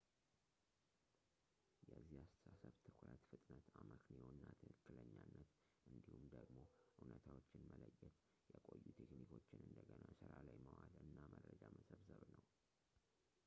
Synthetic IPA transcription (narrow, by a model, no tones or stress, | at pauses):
jɛzːihast̪ʰə̥sasəβt̪ʰɨkʰɾət̪fɨt̪ʼnət̪aməkniwonːat̪ʰɨkɨkːɨləɲːanːət̪ | ʔɨnd̪ihumd̪əɡmo̞ʔunət̪ʰawot͡ʃːɪnmələjːɛt̪ | jɛkʼo̞jːut̪ʰeknikʰo̞t͡ʃːɪnɨnd̪əɡənasɨɾalajməwalɨnːaməɾəd͡ʒaməsəβzəβnəw